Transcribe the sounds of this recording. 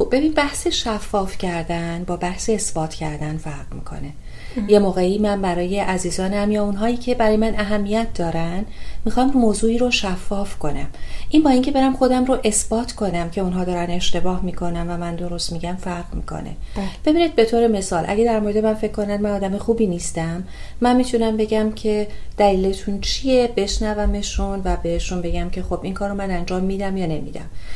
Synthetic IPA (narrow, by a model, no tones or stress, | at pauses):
xob̚be̞biːnbæhseʃæfːɒːfcʰæɾd̪ænbɒːbæhseːsb̥ɒːt̪ʰcʰæɾd̪ænfæɾʁmḭːkʰo̞̰ne̞ | je̞moːɣe̞iːmænbæɾɒːje̞ʔæziːzɒːnæmjɒːunɦɒːiːcʰe̞bæɾɒːjemænæɦæmːijæt̪̚d̪ɒːɾænmixɒmmoːzuːiːɾoʃæfːɒːfkʰo̞næmʔinbɒːiːŋcʰe̞be̞ɾæmxo̞d̪æmɾoʔe̞sb̥ɒːt̪ʰkʰo̞næmcʰe̞unɦɒːd̪ɒːɾæne̞ʃt̪e̞bɒːhmiːkʰo̞næmvæmænd̪o̞ɾo̞st̪miɟæmfæɾʁmḭːkʰo̞̰nḛb̥e̞biːnid̪̚be̞t̪ʰoːɾe̞me̞sɒːlʔæ̰ɟed̪æɾmo̞ɾe̞d̪emænfe̞ckʰkːo̞nænmænɒːd̪æmexuːbiːniːst̪æmː | ænmiːt̪ʰunæmbe̞ɟæmcʰe̞d̪̥æliːlet̪ʰunt͡ʃʰije̞be̞ʃnævæme̞ʃunvæbe̞heʃunbe̞ɟæmcʰe̞xo̞bʔiŋkʰɒːɾomænænd͡ʒɒːmːiːd̪æmjɒːne̞mḭd̪æ̰m